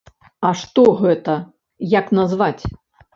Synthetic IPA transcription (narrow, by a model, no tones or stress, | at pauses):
ɐʂt̪ɔɣɛt̪ɐ | jaknazvat͡sʲ